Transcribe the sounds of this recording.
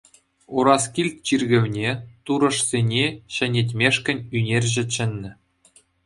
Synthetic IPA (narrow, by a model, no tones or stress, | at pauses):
uɾɑskʲilʲt̪̚ʲt͡ɕirɡʲɘ̆ʋʲnʲet̪uɾɤ̆ʂzʲenʲeɕɘ̆nʲetʲmʲeʂkʲɘ̆nʲynʲerʲʑɘ̆t͡ɕɘ̆nʲːɘ̆